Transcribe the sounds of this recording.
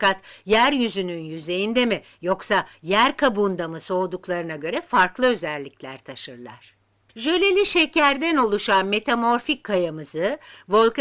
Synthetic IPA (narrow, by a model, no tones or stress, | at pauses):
kat̪jæɾjyzynynjyze̞jind̪emɪ | jo̞ksajæɾkʰabund̪amɯso̞ːd̪uklˠaɾɯnaɟø̞ɾɛfaɾklˠɯø̞zælʲːiclʲæɾt̪ʰaʃɯɾlˠa̰ɾ̥ | ʒølʲelʲiʃecæɾd̪æno̞lˠuʃanme̞t̪ʰamo̞ɾfikʰːajamɯzɯvo̞lˠk